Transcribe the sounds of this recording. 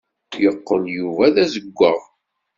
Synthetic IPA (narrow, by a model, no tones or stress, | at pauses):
jəqːəljuvæðæzəɡʷːəʁˤ